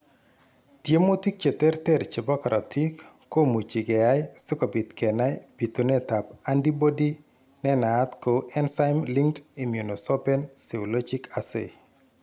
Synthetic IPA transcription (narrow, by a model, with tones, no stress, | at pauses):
tje˦mo˦ti˦k̚t͡ʃe˨tɛ˦rtɛ˦ɾt͡ʃe˨bɔ˦kɔ˨ɾʔa˨tʰi˦kː | o˦mu˨t͡ʃi˨ɡɛ˨a˦jsʊ˦ko˨bi˨t̪kɛ˨na˦jpi˨t̪u˨nɛ˦ta˨p̚a˦ndi˦bo˦di˦ | nɛ˦naː˨˦t̪ko˨ɛ˦nsa˦jmli˦ŋti˨mju˨no˨so˦pɛ˦nsi˨o˨lo˦d͡ʒi˦ka˨sḛ˨